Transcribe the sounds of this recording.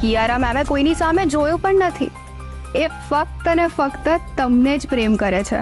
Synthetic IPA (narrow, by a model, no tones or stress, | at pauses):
kijaɾamamẽkoinisamed͡ʒojũpəɳnət̪ʰḭ | efək̚t̪ənefəkt̪ət̪əmned͡ʒpɾemkəɾet͡ʃʰḛ